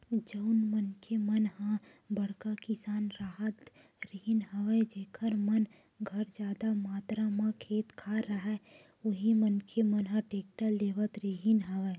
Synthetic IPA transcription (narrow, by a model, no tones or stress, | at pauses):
d͡ʒəʊnmənkʰemənɦã | bəɽkakɪsaːnɾaɦət̪ | ɾiɦɪnɦəʋɛd͡ʒeːkʰəɾmən | ɡʱəɾd͡ʒaːd̪amaːt̪ɾamãkʰeːt̪kʰaɾəɦɛ | ʊɦimənkʰemənɦãʈeːk̚ʈaleːʋət̪ɾiɦinɦəʋɛː